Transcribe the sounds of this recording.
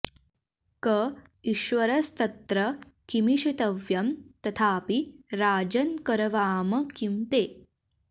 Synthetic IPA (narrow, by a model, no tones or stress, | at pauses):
kɐ | iʃʋɐɾɐst̪ɐt̪ɾɐkimiʃit̪ɐʋjɐmt̪ɐt̪ʰaːpiɾaːd͡ʒɐnkɐɾɐʋaːmɐkimt̪eː